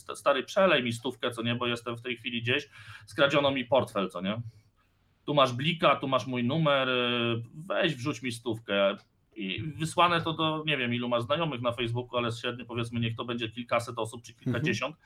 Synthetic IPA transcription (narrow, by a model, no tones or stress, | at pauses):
st̪aɾɘpʂɛlɛjmʲis̬t̪ufkɛt̪sɔɲɛbɔjɛst̪ɛmft̪ɛjxfʲilʲid͡ʑeɕskɾad͡ʑɔnɔmʲipɔɾt̪fɛlt̪sɔɲɛ | t̪umaʐblʲikat̪umaʂmujnumɛɾ | vɛʑvʐut͡ɕmʲist̪ufkɛ | ḭvɘswanɛt̪ɔd̪ɔɲɛvʲjɛmilumaʐznajɔmɘxnafɛjzbukualɛɕɾɛd̪ɲɔpɔvʲjɛt̪smɘɲɛxt̪ɔbɛɲd͡ʑɛkʲilkasɛt̪ɔsup̚t͡ʂɘkʲilkad͡ʑeɕɔnt̪